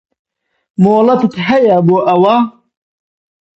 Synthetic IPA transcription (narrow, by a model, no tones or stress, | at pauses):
moːlɐt̪ɨt̪ɦɐjɐboːʔɐwɐ